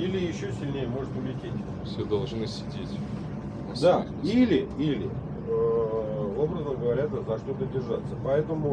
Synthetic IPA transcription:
ilʲɪjɪɕːosʲɪlʲnʲejəmo̞ʐɨt̪ʊvlʲɪtʲetʲ | fsʲed̪ɐlˠʐnɨsʲɪdʲetʲ | d̪a | ilʲɪilʲɪ | obɾəznəɡəvɐɾʲat̪zɐʂt̪ot̪ədʲɪrʐat̪sːəpɐɛt̪əmʊ

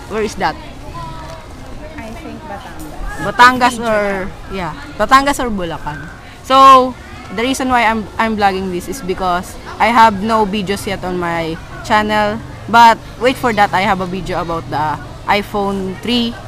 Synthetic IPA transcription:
wɛɹɪsd̪ɐt̪̚ | ajtŋbɐt̪aŋɡabɐt̪aŋɡɐsɔɹ | ja | bɐt̪aŋɡɐsɔɹbʊlakan | so | d̪ɐɹiːsɔ̃nwajajmʔajmblaɡɪŋd̪isɪsbɪkɔs | ʔajɦɐb̚nowvid̪josjɛt̪ɔnmaj | t͡ʃanɛl | bɐt̪̚wejt̪fɔɹd̪ɐt̪ajhɐbɐvid̪joɐbawt̪̚d̪ɐ | ʔajfownt̪ɹi

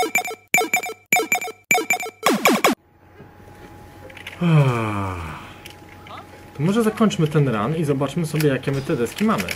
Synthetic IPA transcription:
a | t̪ɔmɔʐɛzakɔɲʲt͡ʂmɘt̪ɛnɾa̰nizɔbat͡ʂmɘsɔbʲjɛjakʲɛmɘt̪ɛd̪ɛskʲimamɘ̰

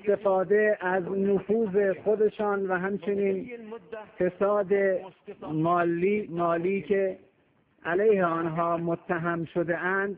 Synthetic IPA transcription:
st̪e̞fɒːd̪e̞æznʊfuːze̞xod̪e̞ʃɒːnvæɦæmt͡ʃʰe̞niːn | fe̞sɒːd̪emɒːlːimɒːliːcʰe | ʔælæjheɒːnɦɒːmot̪ʰːæɦæmʃod̪eʔænd̪̥

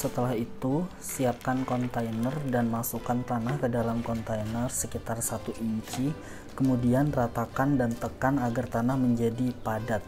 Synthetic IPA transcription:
sət̪əlahit̪u | siap̚kankɔnt̪ainərdanmasukant̪anahkədalamkɔnt̪ainərsəkit̪arsat̪uʔiɲt͡ʃi | kəmudianrat̪akandant̪əkanaɡart̪anahməɲd͡ʒadipadat̪̚

